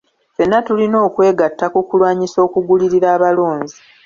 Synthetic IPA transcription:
fenːatulino̞ːkwe̞ːɡatːakukulwaːɲiso̞ːkuɡuliɾiɾaːβalo̞ːɲzi

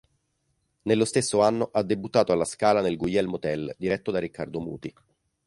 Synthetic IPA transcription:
nelːost̪esːoanːoʔad̪ːebut̪ːaːt̪oalːaskaːlanelɡujɛlmot̪ɛld̪iɾɛt̪ːod̪arikːard̪omṵːt̪i

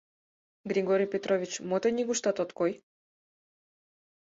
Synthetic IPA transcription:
ɡɾʲiɡoɾijpʲet̪ɾoʋʲit͡ɕmot̪enʲiɡuʃt̪at̪ot̪koj

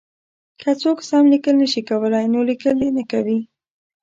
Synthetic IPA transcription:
kʰət͡soksɑmlikəlnəʃikawəlajnolikəld̪enəkawi

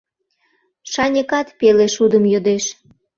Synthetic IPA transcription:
ʃɑnʲəkɑt̪peleʃud̪əmjod̪eʃ

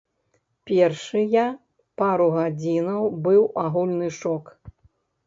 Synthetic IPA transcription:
pʲɛrʂɨjɐ | paɾuɣad͡zʲinɐwbɨwaɣulʲnɨʂɔk

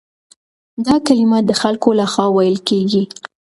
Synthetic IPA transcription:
d̪ɑkalimad̪əxalkolaxwɑwajəlkeɡi

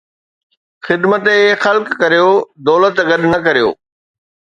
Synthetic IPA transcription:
xɪd̪mət̪ːxɐlkːɐɾijod̪ɔːlət̪ɡɐɗnɐk̬ɐɾijo̰ː

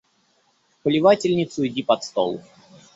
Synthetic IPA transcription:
pəlʲɪvatʲɪlʲnʲɪt̪sʊɪdʲipɐt̪st̪o̰lˠ

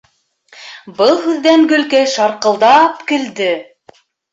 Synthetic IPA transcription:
bɤlˠɦʉðːæŋɡɵ̆lkæjʃɑɾqɤ̆lˠd̪ɑpkɘ̆ld̪ɘ

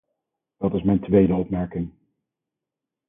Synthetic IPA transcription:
d̥ɑtɪsmɛjntʋejdəɔpmɛɹkɪŋ

